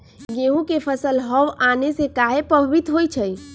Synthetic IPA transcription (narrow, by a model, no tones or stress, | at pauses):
ɡeũkepʰəsəlɦəʋanesekaɦepɾəbʱʋit̪ɦojt͡ʃʰəj